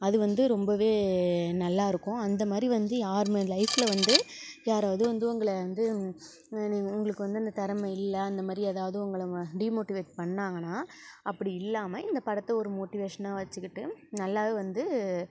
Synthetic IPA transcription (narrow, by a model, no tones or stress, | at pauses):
ɐðɯʋɐnd̪ɯɾɔmbɐʋeːnɐlːaːɪɾɯkːʊ̃ɐnd̪ɐmaːd̪ɾiʋɐnd̪ɯjaːɾmelɐɪfɪlɐʋɐnd̪ɯjaːɾaːʋɐðɯʋɐnd̪ɯʊŋɡɐɭɐɐnd̪ɯ | niʊŋɡɐɭɯkːɯʋɐnd̪ɯɐnd̪ɐt̪ɐɾɐmɐɪlːɐːnd̪ɐmaːd̪ɾiɐðaːʋɐðɯʊŋɡɐɭɖiːmoːʈːɪʋeːʈpɐɳːaːŋɡɐnːaːɐpːɐɽiɪlːaːmɐɪnd̪ɐpɐɽɐt̪ːɐɔɾɯmoːʈɪʋeːʂɐnaːʋɐt͡ʃːɯkːɪʈːɯnɐlːaːðeʋɐnd̪ɯ